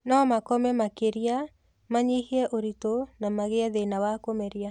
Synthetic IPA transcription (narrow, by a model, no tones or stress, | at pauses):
nɔmakɔmɛmakeɾja | maɲihiɛʔoɾitonamaɣeaðenawakomɛɾia